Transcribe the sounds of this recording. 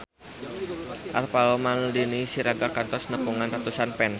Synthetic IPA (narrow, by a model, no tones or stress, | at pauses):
ʔarpalɔmanlinisiɾaɡakant̪ɔsnəpuŋanrat̪usanpɛns